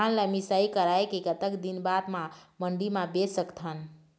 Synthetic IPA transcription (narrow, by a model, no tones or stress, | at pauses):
anləmisaikəɾaekeɡət̪əkd̪inbad̪maməɳɖimabesəkt̪ʰən